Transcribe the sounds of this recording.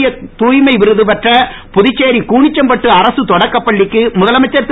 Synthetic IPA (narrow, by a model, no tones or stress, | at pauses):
jɐt̪uːjmɐɪʋɪɾɯðɯpɐʈrɐ | pʊðɪt͡ʃːeːɾikuːɳɪt͡ʃːɐmpɐʈːɯɐɾɐsɯt̪ɔɽɐkːɐpːɐɭːɪkːɯmʊðɐlɐmɐt͡ʃːɐɾt̪